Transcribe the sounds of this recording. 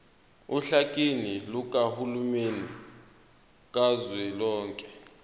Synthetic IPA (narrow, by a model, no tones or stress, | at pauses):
uɬakʼiniluk̬ʼahulumeni | k̬ʼazwɛlɔːŋkʼɛ̥